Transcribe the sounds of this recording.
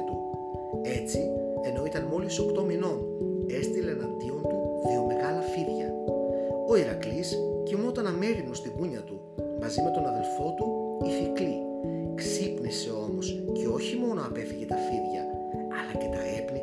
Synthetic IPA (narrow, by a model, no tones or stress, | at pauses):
t̪u | e̞t͡si | e̞no̞it̪ɐnmo̞liso̞kt̪o̞mino̞n | e̞st̪ilenɐnd̪io̞nt̪uðiome̞ɣɐlɐfiðʝɐ̰ | o̞iɾɐkliscimot̪ɐnɐme̞ɾinost̪iɣuɲɐt̪u | mɐzime̞t̪o̞nɐðe̞lfo̞t̪uiθikli | ksipnise̞o̞mo̞sceo̞çimo̞no̞ɐpe̞θiʝe̞t̪ɐfiðʝɐː | lɐce̞t̪ɐe̞pli